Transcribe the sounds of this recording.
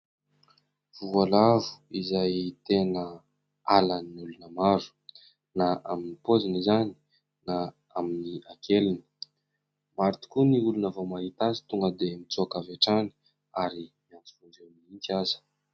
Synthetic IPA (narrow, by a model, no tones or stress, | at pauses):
v̥ualavu̥izajt̪enə | alənulunəmaɾu̥ | naʔaminipozinizani̥ | na | aminiakʰelini̥ | maɾt̪u̥kuniulunavomaɦit̪azi̥t̪uŋɡəd̪emit͡sokavaʈ͡ʂani̥ | aɾimiant͡si̥vuɳɖ͡ʐeniintiazə̥